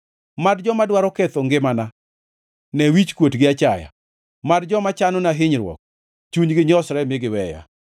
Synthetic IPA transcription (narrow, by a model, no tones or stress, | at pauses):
madd͡ʒɔmadwaɾɔkɛt̪oŋɡɪmana | nɛwit͡ʃkwotɡɪat͡ʃaja̰ | madd͡ʒɔmat͡ʃanɔnaɦɪɲɾwɔ̰k̚ | t͡ʃuɲɡɪɲɔsɾɛmɪɡɪwɛja̰